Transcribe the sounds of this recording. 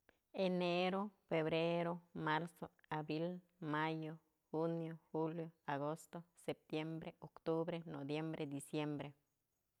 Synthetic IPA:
eneɾofeβɾeɾomaɾsoabɾil | majo | xunjoxuljoaɡost̪osep̚t̪jembɾeokt̪ubɾenobjembɾʔed̪isjembɾe

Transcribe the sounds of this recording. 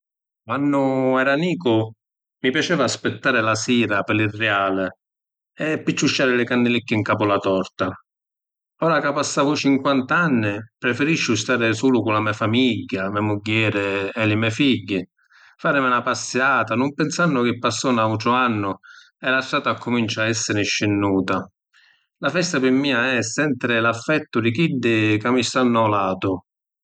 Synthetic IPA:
kwanːʊɛɾaniːkʊ | mipjat͡ʃɛːvaːspɪt̪ːaːɾɪlasiːɾapɪlirːɛaːlɪ | ɛpːit͡ʃːut͡ʃːaːɾɪlɪkand̪ɪlikːɪiŋkaːpʊlat̪ɔrt̪a | ɔːɾakapasːaːvʊt͡ʃiŋkwant̪aanːɪpɾɛfɛɾiʃːʊst̪aːɾɪsuːlʊkʊnlamiafamiɟːamɛmuɟːɛːɾɪɛlɪmɛfiɟːɪ | faːɾɪmɪlapasːjaːt̪anʊmpɛnsanːʊk̟ɪpːasːɔːnaut̪ɾʊanːʊ | ɛlaʃːaːt̪aːkːʊmint͡ʃaɛsːɪɾɪʃːɪnːuːt̪a | lafɛst̪apɪmːiːaɛsːɛnt̪ɾɪlafːɛt̪ːʊd̪ɪkid̪ːɪkamist̪anːɔlaːt̪ʊ

